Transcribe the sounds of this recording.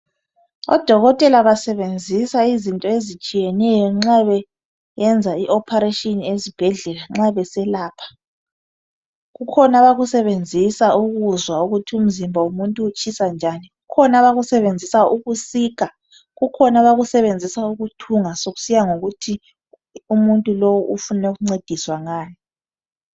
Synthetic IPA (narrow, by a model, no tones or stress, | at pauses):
ɔ̰d̥ʱɔɣɔtʼɛlaβasɛβend͡zʱisaizintʼɔezit͡ʃʼijɛnɛjɔŋ͡ǁaβɛ | jɛnd͡zʱaiʔɔpʰaɾeʃiniezib̥ʱɛɮɛlaŋ͡ǁaβɛsɛlaːpʰḁ | ɣukʰɔnaβaɣusɛβend͡zʱisaʔuɣuzwauɣutʰium̩zimbʱaumuntʼuːt͡ʃʰʼisand͡ʒʱaniɣukʰɔnaβaɣusɛβend͡zʱisauɣusiːk̬a | ɣukʰɔnaβaɣusɛβend͡zʱisauɣutʰuŋasoɣu̥sijaŋoɣutʰi | umuntʼulowuʔufunɛɣuŋ͡ǀed̥ʱiswaŋaːni